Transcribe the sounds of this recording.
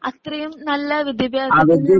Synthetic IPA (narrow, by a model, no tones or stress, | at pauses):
ɐ̰t̪rɐjumnɐlːɐʋid̪ʱjɐbjaːaʋɐdjɐ